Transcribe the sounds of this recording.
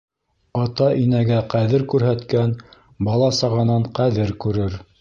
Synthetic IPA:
ɑt̪ɑʔinæɡæqæðɘɾkʉɾɦæt̪kæn | bɑlˠɑsɑʁɑnɑɴqæðɘɾkʉɾɘɾ

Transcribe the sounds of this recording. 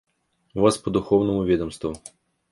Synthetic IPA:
vaspɐd̪ʊxɔwnɔmʊvʲɛd̪ɔmst̪vu

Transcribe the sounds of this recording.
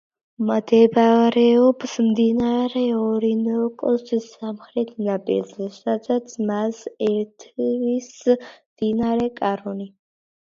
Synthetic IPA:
mad̪ɛbaɾɛɔbsmd̪inaɾɛɔɾinɔkʼɔt͡ʃisamχɾɛt̪ʰnabʼḭɾzɛsad̪at̪sʰmazɛɾt̪ʰvismd̪̥inaɾɛkʼaɾɔni

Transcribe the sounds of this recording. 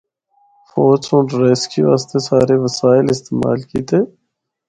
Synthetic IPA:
foːd͡ʒsõːɖɾeːskiʋa̰ːst̪esaːɾeʋəsaːɪlɪst̪eːma̰ːlkiːt̪eː

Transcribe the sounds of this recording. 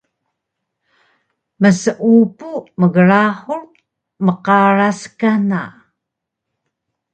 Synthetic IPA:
məsəʔupuməɣəɭaħur | məqaraskana

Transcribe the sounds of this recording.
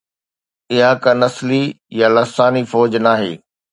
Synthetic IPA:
ɪɦakãnɐsli | jalɐsaːnifɔːd͡ʑnaːɦḛː

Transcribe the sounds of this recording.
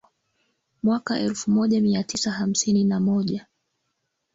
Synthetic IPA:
mwakaʔɛlfumɔʄamiatisaham̩sininamɔʄa

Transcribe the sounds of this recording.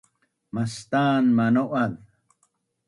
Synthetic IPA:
mɐst̪aːnmɐnoʔɐl

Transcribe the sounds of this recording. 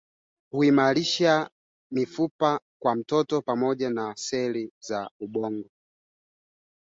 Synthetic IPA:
huimaɾiʃa | mifupakwam̩tɔtɔpamɔʄanasɛlizauɓɔŋɡɔ

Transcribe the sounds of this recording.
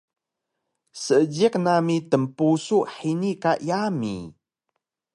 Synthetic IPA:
səd͡ʒiknamit̪əmpusuʔħinikaʔjamḭ

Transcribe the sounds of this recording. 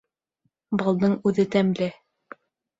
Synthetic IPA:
bɑlˠd̪ɤɴʉðɘt̪æmlɘ

